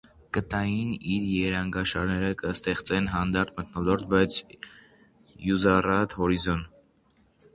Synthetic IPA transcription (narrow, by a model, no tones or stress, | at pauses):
kət̪ɑjiniɾjɛɾɑŋɡɑʃɑɾnɛɾəkəst̪ɛχt͡sɛnɦɑnd̪ɑɾt̪ʰmət̪nɔlɔɾt̪̚ʰbɑjt͡sʰ | juzɑrɑt̪hɔɾizɔn